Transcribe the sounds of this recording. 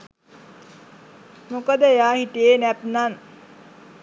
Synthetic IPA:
mokəd̪əjaːhiʈijenæp̪̚nan

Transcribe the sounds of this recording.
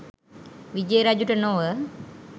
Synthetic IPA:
ʋid͡ʒəjɾad͡ʒuʈənoʋə

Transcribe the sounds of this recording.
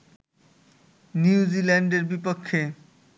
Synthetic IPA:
njuud͡ʑilɛɳɖeɾbipokʰːe

